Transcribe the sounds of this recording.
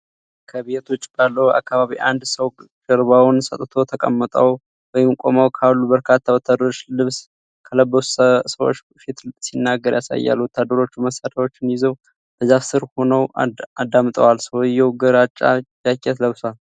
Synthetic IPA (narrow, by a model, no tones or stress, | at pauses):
kʰəβet̪ʰo̞t͡ʃːb̥alːəwa̰kːaβaβiʔa̰nd̪səw | ɡ̥əɾβawnsət̪ʼt̪ʰo̞t̪ʰəkʼə̰mːət̪ʼaw | wɔjɪmkʼo̞̰mawkʰalːubəɾkʰat̪ʰːawɔt̪ʰːad̪əɾo̞t͡ʃːlɨβs | kʰələbːəsu̥səwo̰t͡ʃː | fit̪sinːaɡəɾjasa̰jːa̰lwɔt̪ʰːad̪ːəɾo̞t͡ʃːuməsaɾawo̞t͡ʃːɪnjɪzəw | b̥əzafsɨɾho̞nəwad̪ːamt̪ʼə̰walsəwjɛwɡəɾat͡ʃʼːa̰jakʼːɛt̪ləβsal